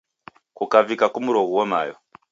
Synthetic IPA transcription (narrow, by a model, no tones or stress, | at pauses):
kukavikakumuɾoɣuwoma̰jo